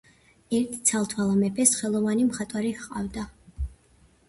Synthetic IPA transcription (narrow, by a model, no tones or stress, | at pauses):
ɛɾt̪ʰi̥t̪sʰalˠt̪ʰwalˠamɛpʰɛsχɛlˠɔvanimχat̪ʼwaɾiqʼa̰vd̪a